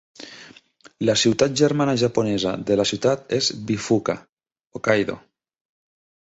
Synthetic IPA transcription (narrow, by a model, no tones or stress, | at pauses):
lasiwt̪at̪̚ʒeɾmanaʒaponeza̰ðelasjiut̪at̪ezbifuka̰ | okajðo̰